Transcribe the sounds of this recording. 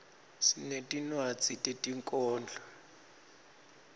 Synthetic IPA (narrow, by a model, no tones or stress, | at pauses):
sinetʼinwat͡sʼitʼetʼiŋkʼɔːnd͡ɮʱɔ